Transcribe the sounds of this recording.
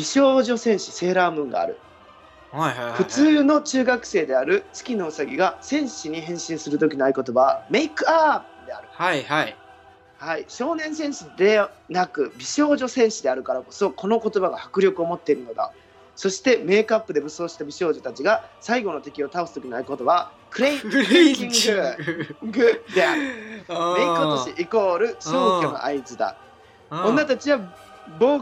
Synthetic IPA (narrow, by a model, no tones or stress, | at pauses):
bʲiɕo̞ːʑo̞sẽ̞ɰ̃ɕi̥se̞ːɾaːmɯ̟̃ŋɡa̰ːɾɯ̟̰ | ɸɯ̟t͡sɨːno̞t͡ɕɨːɡakɯ̟̥se̞ːd̪e̞aɾɯ̟t͡sɨ̥kʲino̞ːsaɡʲiɡasẽ̞ɰ̃ɕiɲ̟iɦẽ̞ɰ̃ɕĩɰ̃sɨɾɯ̟t̪o̞kʲino̞aiko̞t̪o̞bame̞ikɯ̟a | d̪e̞a̰ɾɯ̟ | haiɕo̞ːnẽ̞ɰ̃s̬ẽ̞ɰ̃ɕid̪e̞nakɯ̟bʲiɕo̞ːʑo̞sẽ̞ɰ̃ɕid̪e̞aɾɯ̟kaɾako̞so̞ko̞no̞ko̞t̪o̞baɡahakɯ̟ɾʲo̞kɯo̞mo̞t̪ːe̞iɾɯ̟no̞d̪a̰ | so̞ɕi̥t̪e̞me̞ːkapːɯd̪e̞bɯ̟so̞ːɕi̥t̪abʲiɕo̞ːʑo̞t̪at͡ɕiɡasaiɡo̞no̞t̪e̞kʲio̞t̪ao̞sɨ̥t̪okʲinaiko̞t̪o̞βa | kɯ̟ɾeĩŋɡɯ | ɡɯd̪e̞aɾɯ̟ekot̪oɕiʔiko̞ːɾɯ̟ɕo̞ːkʲono̞̰ʔa̰it͡sɨd̪a̰ | õnːat̪at͡ɕiβaboː